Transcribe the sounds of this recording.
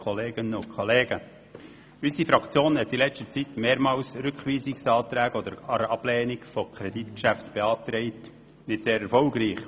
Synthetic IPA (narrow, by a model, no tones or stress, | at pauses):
ɔleːɡ̥ənʊnkʰχoleːɡ̥ə | ysifɾɑkt͡sjoːnhɛtːilɛt͡ʃtət͡sitmeːɾmɑːlsɾʏkχʋiːsɪksɑːt̪ɾæːɡɔd̪əɾɑɾɑb̥lɛːnɪkfɔkʰɾɛdit̪kʃæftb̥eɑːt̪ɾɛɪt | nɪtseːɾɛɾfɔlɡɾiːχ